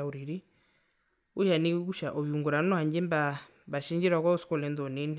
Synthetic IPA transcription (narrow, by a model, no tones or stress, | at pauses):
auɾiɾi | uʃanikuʃaʔɔβiuŋɡuɾanɔhaɲd͡ʒɛmba | mbaʃiɲd͡ʒiɾakauskɔlɛnd̪ɔninɛ